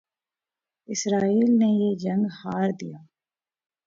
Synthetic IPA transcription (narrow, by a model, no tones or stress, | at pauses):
ɪsɾaːiːlneːjeːd͡ʒəŋɡhaːɾd̪ḭjaː